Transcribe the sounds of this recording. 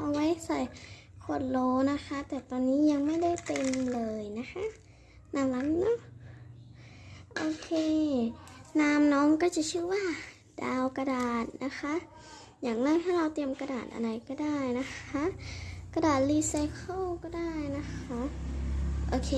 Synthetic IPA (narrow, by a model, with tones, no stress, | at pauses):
ɔː˧ŋwa˧˥˨jsa˧˩j | kʰo˧˩n̚loː˧na˦˥kʰa˦˥t̪ɛː˨˩t̪ɔ˧nːiː˦˥ja˧ŋma˥˩jda˥˩jt̪e˧mlɤː˧jna˦˧˥xʰa˦˥ | nʔa˧˩la˧˥ŋnɔ˧˥˩ | ʔoː˧kʰeː˧ | naː˧mnɔː˦˥ŋkɔː˥˩si˧˩t͡ɕʰɯː˧˥˨waː˥˩ | daː˧wka˧daː˨˩t̪̚nʔa˦˥xʰa˦˥ʔ | jaː˨˩ŋnaː˧˥˩t̪ʰaː˧˥˩ɾa˧wt̪i˧əmka˧daː˨˩t̪ʔa̰˧nda˧jkɔː˧˩daː˥˩jna˦˥xʰa˦˥ʔka˧daː˨˩t̪̚li˧sa˧jkʰo˥˩wkɔː˥˩daː˥˩jna˦˥kʰa˦˥ʔ | ʔoː˧kʰeː˧